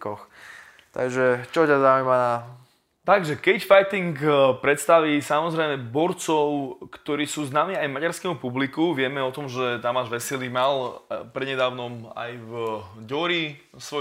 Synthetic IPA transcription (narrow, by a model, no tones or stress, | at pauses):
kɔx | t̪a̰ɡʒɛt͡ʃɔcazaujmana | t̪aɡʒɛkɛcfajt̪iŋkpɾɛt̪st̪aʋiːsamɔzɾɛjmɛbɔɾt͡sɔʊkt̪ɔɾiːsuːznaːmiːajmaɟaɾskɛːmupublikuʋɪɛmɛɔt̪ɔmʒɛt̪amaːʒʋɛsɛlimalpɾɛɲɛd̪aːʊnɔma̰jvɟɔɾi | sʋɔ